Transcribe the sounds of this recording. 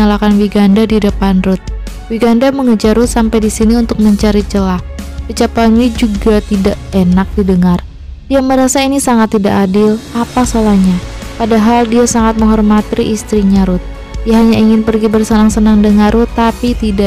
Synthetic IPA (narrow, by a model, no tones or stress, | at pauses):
alakanwiɡandadidəpanrʊt̪̚ | wiɡandaməŋəd͡ʒaɾʊt̪sampajdisiniunt̪ʊk̚məɲt͡ʃaɾit͡ʃəlahbət͡ʃapanid͡ʒuɡat̪idaʔenak̚didəŋar | d̥iaməɾasainisaŋat̪ːida̰ʔadɪlapasalahɲapadaɦaldiasaŋat̪̚məŋɦɔrmat̪iʔist̪ɾiɲaɾʊt̪̚ | jaɦaɲaiŋɪnpərɡibərsənaŋsənaŋdəŋarʊt̪ːapit̪ida